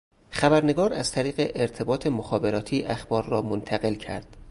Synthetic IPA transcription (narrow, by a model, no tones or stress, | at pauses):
xæbæɾne̞ɡɒːɾæzt̪ʰæɾiːɣeʔeɾt̪ʰe̞bɒːt̪ʰe̞moxɒːbe̞ɾɒːt̪ʰiːʔæxb̥ɒːɾːɒːmont̪ʰæɣe̞lcʰæ̰ɾd̪̥